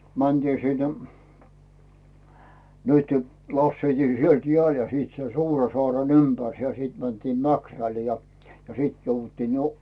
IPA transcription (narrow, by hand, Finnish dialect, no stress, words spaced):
mænd̥iː sinːe̥ nytẙ lɑsːeitiː sielt jeæˑl jɑ siːt sen suːrɑsoɑˑren ympærse jɑ siˑt mæntiːm mækræl jɑ siˑt jouʋːutːiːn jo